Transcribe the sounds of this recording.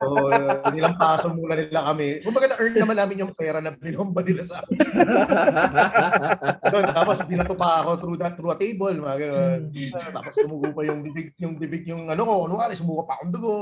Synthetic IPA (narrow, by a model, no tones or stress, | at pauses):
ʔoːʔnɪlɐŋpaːsoŋmuːlɐnɪlakɐmɛkʊmbɐɡanɐʔɛ˞nnɐmanaːmɪnjʊŋpɛːɾɐnɐbɪnombɐnɪlasaːmɪn | ɡɡɐnont̪aːposbɪnɐt̪ʊpaʔɐko̞t̪ɾuːd̪ɐt̪ːɾuːʔɐt̪ejbolmɐɡɐnonɐt̪a̰ːpostʊmuːɡuːpɐjʊŋd̪ɪbɪɡ̚jʊŋd̪ɪbɪɡ̚jʊŋʔɐnoko̞ʔʊnʊŋʔaːɾɛsʊmuːkɐpɐkʊŋd̪ʊɡo